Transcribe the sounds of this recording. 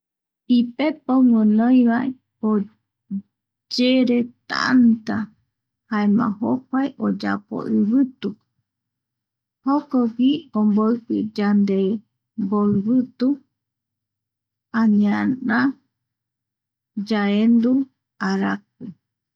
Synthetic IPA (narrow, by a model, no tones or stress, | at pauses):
ipepomonõj̃βae | o | d͡ʒeɾet̪a̰nt̪a | haemã̰ɦokʷaeʔod͡ʒa̰po̰ʔɨβɨt̪u | hokowiomboɨpɨd͡ʒand̪e | mboɨβɨt̪u | ãɲãnã | d͡ʒaend̪u | aɾak̚ɨ